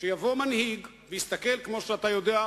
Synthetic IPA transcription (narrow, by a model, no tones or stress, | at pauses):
ʃejavo̞manhiɡ | veist̪ake̞lkmo̞ʃeat̪ajo̞d̪ea